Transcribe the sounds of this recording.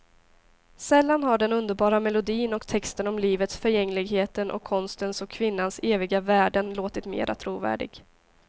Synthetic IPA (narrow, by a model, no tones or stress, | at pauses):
sɛlːanɦaɖɛnɵnd̪əɾbɑːɾamɛlʊd̪iːnɔkt̪ʰɛkst̪ənɔmliːvət̪sfœɾjɛŋːlɪɡɦeːt̪ənʔɔ̰kʰːɔnst̪ənsɔkʰːvɪnːanseːvɪɡavæːɖənloːt̪ɪt̪mḛːɾʔa̰t̪ʰɾuːvæ̰ːɖɪ̰ɡ